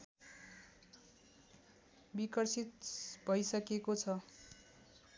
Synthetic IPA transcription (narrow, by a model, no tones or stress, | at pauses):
bikʌrsit̪̚bʱʌjsʌkekot͡sʰʌ